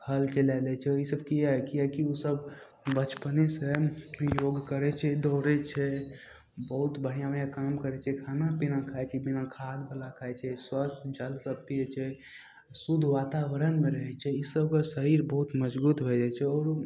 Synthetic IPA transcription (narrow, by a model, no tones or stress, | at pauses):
kʰəlt͡ʃelɛlɛt͡ʃʰɛɔɾisəbkiɦaɦɛkiakiosəb | bət͡ʃpənesejoɡkəɾɛt͡ʃʰɛd̪ɔɾɛt͡ʃʰɛ | bəɦut̪bəɽ̤ijabəjakamkəɾɛt͡ʃʰɛkʰanapinakʰajt͡ʃʰɛbinakʰad̪bʱəlakʰaɛt͡ʃʰɛswəst̪ʰd͡ʒəlsəbpiɛt͡ʃʰɛ | sud̪ʱʋat̪aʋəɾənmẽɾəɦɛt͡ʃʰɛisəbkəsəɾiɾbəɦut̪məd͡ʒbut̪bʱɛd͡ʒat͡ʃʰɛɔːɾ